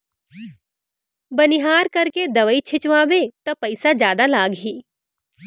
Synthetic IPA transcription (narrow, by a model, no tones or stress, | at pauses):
bɐnɪɦaːɾkɐɾked̪ɐʋəit͡ʃʰɪt͡ʃʋãːbet̪ɐpɐɪsad͡ʒjaːd̪alaːɡɦiː